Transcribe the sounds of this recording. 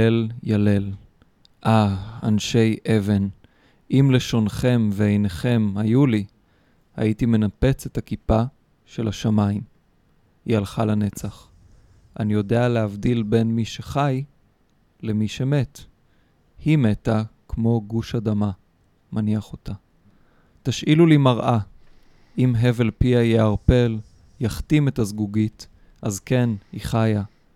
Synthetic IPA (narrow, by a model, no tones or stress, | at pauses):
eljale̞l | ʔaanʃe̞jʔe̞ve̞n | ʔimle̞ʃo̞nχe̞mveejne̞χe̞mhajuli | ha̰itime̞nape̞t͡sethakipa | ʃe̞laʃamaim | ialχalane̞t͡saχ | ʔa̰nijo̞de̞aleavdilbe̞nmiʃeχaj | lemiʃe̞me̞t | hime̞takmo̞ɡuʃadama | maniaχo̞ta | taʃʔilulimaʁʔa | ʔimɦe̞ve̞lpiajeaʁpe̞l | jaχtime̞tazɡuɡit | ʔazke̞niχaja